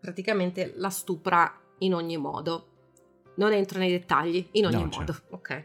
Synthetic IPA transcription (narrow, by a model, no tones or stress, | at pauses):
pɾat̪ikament̪elast̪uːpɾa | inoɲːimɔ̰ːd̪o | nonent̪ɾonejd̪et̪ːaʎːiinoɲːimɔ̰ːd̪ookʰːɛj